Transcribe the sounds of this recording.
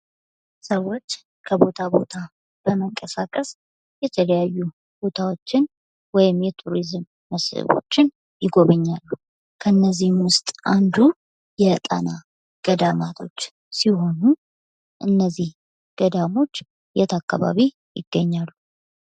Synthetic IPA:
səwːo̞t͡ʃː | kʰəbo̞t̪ʰabo̞t̪ʰa | b̥əməŋkʼəsakʼəs | jɛt̪ʰələjajːu | b̥o̞t̪ʰawo̞t͡ʃːɪn | wɔjɪmjɛt̪ʰuɾizmːəshɨ̰βo̞̰t͡ʃːɪn | jɪɡo̞βəɲːalːuh | kʰəɨnːəzːihmwʊst̪ʼʔand̪u | jɛt̪ʼana | ɡ̥əd̪amat̪ʰo̞t͡ʃː | siɦo̞nu | ʔɨnːəzːih | ɡ̥əd̪amo̞t͡ʃː | jɛt̪ʰakːaβa̰βi | jɪ̰ɡːəɲːalːu

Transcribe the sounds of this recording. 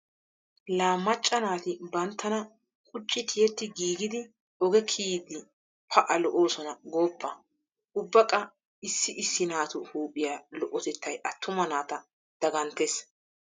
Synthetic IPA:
laːmːɐt͡ʃʼːɐnaːt̪ɪbɐnt̪ːɐnɐ | kʼʊt͡ʃʼːɪt̪ʰɪjɛt̪ːɪɡiːɡɪd̪ɪ | ɔɡɛkʰiːd̪ɪ | pʰɐʔɐlɔʔo̞ːsɔnɐɡo̞ːpːɐ | ʔʊbːɐkʼɐ | ɪsːɪʔɪsːɪnaːt̪ʊhuːpʼːɪjaːlɔʔɔt̪ɛt̪ʰːɐjʔɐt̪ʰːʊmɐnaːt̪ɐ | d̪̥ɐɡɐnt̪es

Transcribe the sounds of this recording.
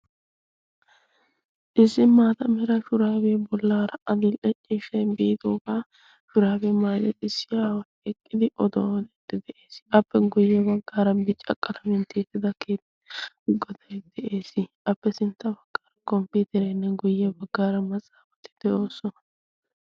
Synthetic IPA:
ʔɪsːɪmaːt̪ɐmɛɾɐʃʊɾaːbɛɛbɔlːaːɾɐʔɐd̪ʊlʔɛt͡ʃʼːɪːʃɛbiːd̪oːɡaː | ʃʊɾaːbɛmazɛt̪ɪsːɪjaːwɐjɛkʼːɪd̪ɪʔɔd̪owd̪ɛt̪ːɪd̪ɛʔeːsʔɐpːɛɡʊjːɛbɐɡːaːɾɐbɪt͡ʃʼːɐ̰kʼːɐlɐmɛnt̪eːt̪ːɪd̪ɐkeːt̪ː | ɡɔd̪ɐjd̪̥ɛʔe̞ːsɪʔɐpːɛsɪnt̪ːɐbɐɡ̥ːaːɾɐkɔmpiːt̪ɪɾɛjnːɛɡʊjːɛbɐɡːaːɾɐmɐt͡sʼaːfɐt̪ːɪ̥d̪̥ɛʔo̞ːsɔnɐ

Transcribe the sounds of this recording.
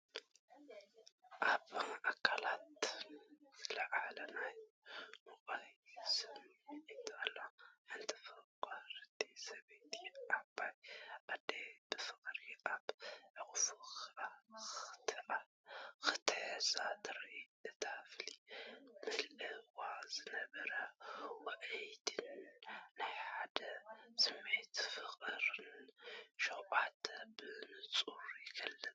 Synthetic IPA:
ʔaβʕakʰːalat̪ | lɐʕalɐnaj | moɣʼajsɨmit̪alaħɨnt̪ʰɨ̥fɐkʼaɾɨd̪ʼesɐβet̪ʰiʔabajʔad̪eb̥ɨfɨkʼɾiʔaβʕɨxfa | t̪ | xɨ̥t̪ʰɨʕzat̪ʰɨɾʔiɐt̪ʰaflimɨlɨwazɨnɐβɐɾɐwɐʕijd̪ɨnnɨħad̪ɐsɨmːet̪fɨxʼɨɾɨnʃoʔʼat̪bɨɨnɨt͡sʼuɾjɪkʰɐlːɨn

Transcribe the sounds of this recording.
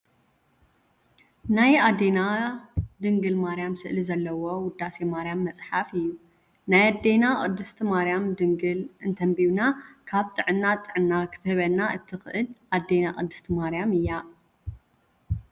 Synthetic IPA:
najad̪ena | d̪ɨŋɡɨlmaɾijamsɨʔlizɐlːɐwo̞wʊd̪ase̞maɾijamːɐt͡sʼħafɨjːu | najad̪e̞nakʼɨ̰d̪ɨst̪ʰimaɾijamd̪ɨŋɡɨlɨnt̪ʰɐmbiβnakʰaβt̪ʼɨʕɨnːat̪ʼɨʕɨnːakʰɨ̥t̪ʰɨhɨβɐnːaɨt̪ʰɨxɨʔɨlʔad̪enaʔʼɨd̪ːɨst̪ʰimaɾjamɨjːa

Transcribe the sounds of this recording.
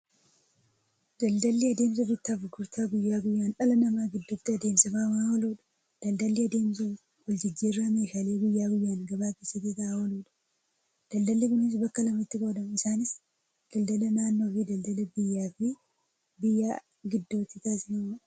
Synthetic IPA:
d̪̥ɐld̪ɐlːiɐd̪eːmsɐbɪt̪ːaːfʊɡʊɾt̪ʰaːɡʊjːaːɡʊjːaːnʔɐlɐnɐmaːɡɪd̪ːʊt̪ːɪɐd̪eːmsɪfawahɔloːᶑɐ̥ | d̪̥ɐld̪ɐlːɪɐd̪e̞ːmsɐ | wɔld͡ʒɪd͡ʒːiːrːameːʃaːle̞ːɡʊjːaːɡʊjːaːnɡɐbaːkeːsːɐt̪ːit̪aʔahɔluːᶑɐ̥ | d̪̥ɐld̪ɐlːɪkʊnɪs̬bɐkːɐlɐmɐɪt̪ːɪboːd̪ɐmɪsaːnɪs | d̪̥ɐld̪ɐlɐnaːnːo̞ːfid̪ɐld̪ɐlɐbɪjːaːfɪ | bɪjːaː | ɡɪd̪ːoːt̪ːɪt̪aːsɪnɐmɐᶑ

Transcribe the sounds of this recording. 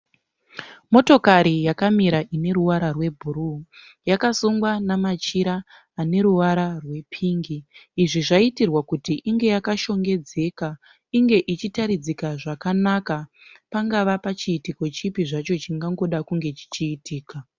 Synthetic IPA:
mo̞to̞kaɾijakamiɾaʔine̞ɾuwaɾarwe̞bʱuru | jakasuŋɡwanamat͡ʃiɾaː | ne̞ɾuwaɾarwe̞pʰiːŋɡiːʐiʐaitirwakutiʔiŋɡe̞jakaʃo̞ŋɡe̞d͡ze̞ːka | iŋɡe̞ʔit͡ʃitaɾid͡zikaʐakanakapaŋɡaʋapat͡ʃiːtiko̞t͡ʃipiʐat͡ʃo̞t͡ʃiŋɡaŋɡo̞ɗakuŋɡe̞t͡ʃi̥t͡ʃiːtʰiːka

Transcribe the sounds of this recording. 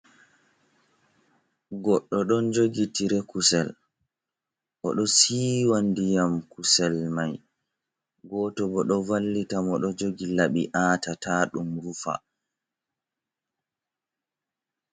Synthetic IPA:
ɡɔɗːɔɗɔnd͡ʒoɡitiɾɛkusɛl | ʔɔɗɔsiːwandijamkusɛlmaj | ɡɔːtɔbɔɗɔvalːitamɔɗɔd͡ʒoɡilaɓiʔaːtataːɗumɾufa̰

